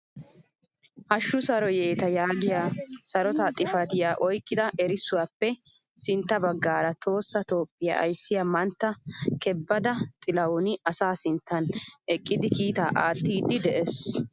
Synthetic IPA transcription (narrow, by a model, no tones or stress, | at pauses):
hɐʃːʊsɐɾɔjeːt̪ɐjaːɡɪjaːsɐɾɔt̪ɐt̪ʼɪfɐt̪ɪjaːʔɔjkʼːɪd̪ɐʔɛɾɪsːʊwapːɛ | sɪnt̪ːɐbɐɡːaːɾɐt̪o̞ːsːɐt̪o̞ːpʼːɪja̰ɐ̰jsːɪjamɐnt̪ːɐkɛbːɐd̪ɐt̪ʼɪlɐwʊnɪɐsaːsɪnt̪ːɐnɛkʼːɪd̪ɪkiːt̪aːʔaːt̪ːiːd̪ːɪd̪ɛʔes